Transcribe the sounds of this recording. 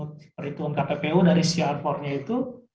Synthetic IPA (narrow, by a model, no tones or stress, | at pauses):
t̪pəɾit̪uankapepeudaɾisiarfɔrɲait̪u